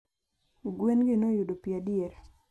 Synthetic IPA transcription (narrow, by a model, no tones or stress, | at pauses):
ɡwenɡɪnojudopiadieɾ